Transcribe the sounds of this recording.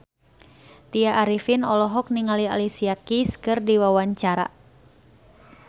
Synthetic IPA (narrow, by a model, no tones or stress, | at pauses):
t̪iaʔːɾifinɔlɔɦɔk̚niŋalia̰lisiakiskɨrdiwawaɲt͡ʃaɾa̰